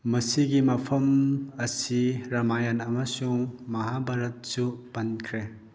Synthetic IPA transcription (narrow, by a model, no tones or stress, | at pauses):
mɐsiɡimɐpʰɐmɐsiɾɐmajanɐmasuŋmɐɦabʱaɾɐt̚sub̥ɐnkʰɾe